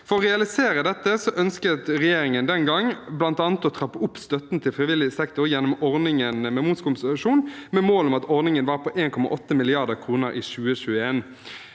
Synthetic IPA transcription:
fɔɾɔʁɛɑlɪseːɾəd̪ɛt̪ːəsɔʔœnskət̪ʁɛjeːɾɪŋənd̪ɛnɡɑŋblɑnt̪ɑːnət̪ɔt̪ʰɾɑpːəʊpːst̪œt̪nt̪ʰɪlfʁɪʋɪlːɪsɛkt̪ʊɾjɛnːɔmɔʁnɪŋənmɛmuːskʊmsəlɑʂuːnmɛmoːlɔmɑt̪ɔʁnɪŋənʋɑːʁpʰɔʔeːnkʰɔmɑ̰ʔɔt̪ːəmɪlɪɑʁd̪əʁkʰʁuːnəɾʔiːʃʉːəɕʉːəeːn

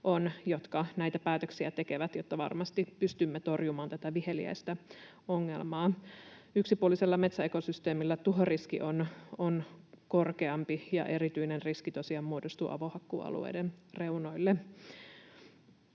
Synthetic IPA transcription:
ʔo̞njot̪kɑnæjt̪æpæːt̪øksiæt̪e̞ke̞ʋæt̪jot̪ːɑʋɑ̰rmɑst̪ipyst̪ymːet̪o̞rjumɑːnt̪æt̪æʋihe̞lḭæ̰jst̪æ | o̞ŋːe̞̰lmɑːyksipuolːˑiselːɑme̞t̪sæeko̞syst̪eːmilːæt̪uɦoriskiʔononko̞rke̞ɑmpijɑ̰ʔe̞ɾit̪yinenriskit̪o̞siɑmmuodost̪ṵːʔɑ̰ʋohɑkːṵːɑ̰lṵḛjdenre̞uno̞jlːe

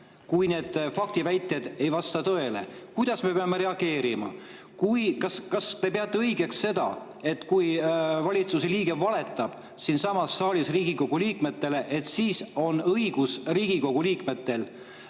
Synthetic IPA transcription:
kujne̞ːd̪̥fɑk̚t̪ivæjt̪ːˑjed̪̥e̞jvɑst̪ɑt̪ɤe̞le̞̰kujd̪̥ɑsme̞peɑme̞ɾe̞ɑɡ̥e̞ːɾimɑ̰ | kujkɑskɑst̪e̞peɑt̪ːˑe̞ɤjɡe̞ksːe̞d̪ɑ̰ | e̞t̪kujvɑlʲit̪suseliːɡ̥e̞vɑle̞t̪ːˑɑb̥ | sinsɑmɑsːɑːlʲisriːɡiko̞ɡ̥uliːkme̞t̪ːe̞le̞ʔe̞t̪siːso̞nɤiɡ̥usriːɡ̥iko̞ɡ̥uliːkme̞t̪ːe̞l

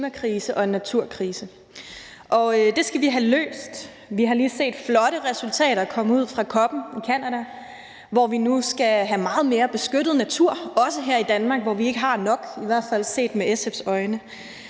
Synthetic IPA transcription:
mækʰʁiːsəʔɒ̽e̝nːæt͡sʰuɐ̰kʰʁiːsə | ʔɒ̽ød̥e̝sɡ̥æʋiɦælø̰ːsd̥ | ʋiɦɑ̈liːse̝̰ːd̥flɒ̽ɾəʁɛsult͡sʰɛ̰ːɾɐkʰɒ̽məuð̞̰ˠfʁɑ̈kʰɒ̽b̥n̩ikʰænæɾæ | ʋɒʋinusɡ̥æɦæmɑ̈ːð̞̩ˠme̝ːɐb̥e̝sɡ̥øɾ̥ð̞̩ˠnæt͡sʰuɐ̰ɒ̽səɦeɐ̰id̥ænmɑ̈ːɡ̥ʋɒʋie̝ɡ̥əɦɑ̈nɒ̽ɡ̥iʋæɐ̰d̥fæl̰se̝̰ːd̥meʔeseb̥sɒ̽ɪnə

